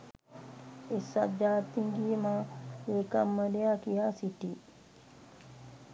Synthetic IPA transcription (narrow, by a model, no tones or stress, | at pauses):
ɛsa̰d͡ʒaːt̪ːiŋɡimawɛkamːadɛakijasitːi